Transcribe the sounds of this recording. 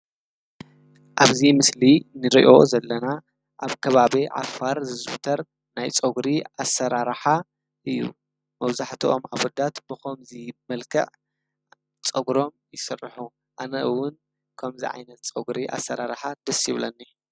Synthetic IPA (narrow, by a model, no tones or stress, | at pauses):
ʔaβzimɨslinɨɾiʔo̞zɐlːɐna | ʔaβkʰɐβaβiʕa̰faɾzɨzbt̪ʰɐɾ | najt͡sʼoɡɾiasːɐɾaɾħa | ʔɨjːṵ | mɐβzaħt̪ʰiʔo̞maβɔd̪at̪b̥ɨxomzimɐlkʰɐ̰ʕ | t͡sʼɐɡɾo̞mjɪsɨrːħu | ʔanɐʔɨwːʊn | kʰɐmzḭʕa̰jnɐt̪̚t͡sʼoɡɾiʔa̰sːɐɾaɾħad̪̥ɐsjiβlɐnːi